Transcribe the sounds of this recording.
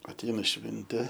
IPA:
ɐtʲˈɛɪnɐ ˈʃʲʋʲɪnʲtʲeː

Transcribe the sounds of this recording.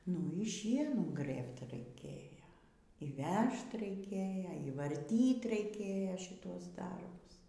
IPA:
nʊ iː ˈʃʲiɛnuː ˈɡrɘpt rɐɪˈkʲeːjoː iː ˈʋʲɛʃt rɐɪˈkʲeːjɛ iː ʋɐrʲˈtʲiːt rɐɪˈkʲeːjɛ ʃʲɪˈtuɔs ˈdɐrbʊs

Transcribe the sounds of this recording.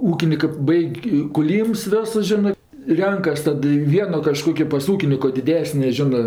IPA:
ˈuːkʲɪnʲɪkɜ ˈbɐɪkʲ kʊˈlʲiːms ˈʋʲoːsʊs ˈʒʲɪnɜ ˈrʲɛŋkɐs ˈtɐt ɪ ˈʋʲiɛnoː kɐˈʃkoːkʲoː pɐs ˈuːkʲɪnʲɪkoː dʲɪˈdʲæːsʲnʲeː ˈʒʲɪnɜ

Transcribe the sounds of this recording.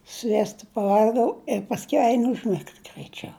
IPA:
ˈsʲʋʲiɛstɐ pɐˈʋɐlʲɡɐʊ ɪ pɐsʲˈkʲɛʊ ˈɛɪn ʊʒʲˈmʲɪkt ɡrɐɪˈt͡ʃʲɛʊ

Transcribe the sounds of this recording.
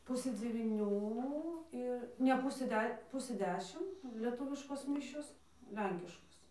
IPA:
ˈpʊsɘ d͡zʲɛʋʲiːˈnʲuː ˈɪr nʲɛ ˈpʊsɘ ˈdʲɛ ˈpʊsɘ ˈdʲæːʃʲɪm lʲiɛˈtʊʋʲɪʃkoːs ˈmʲɪʃʲoːs ˈlʲɛŋʲkʲɪʃkoːs

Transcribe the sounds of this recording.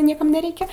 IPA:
ˈnʲiɛkɐm nʲɛˈrʲɛɪkʲɛ

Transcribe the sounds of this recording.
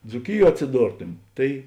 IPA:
d͡zuːˈkʲɪˌjuɔ ɐtʲsʲɪˈdoːrtʊmʲɪ ˈtɐɪ

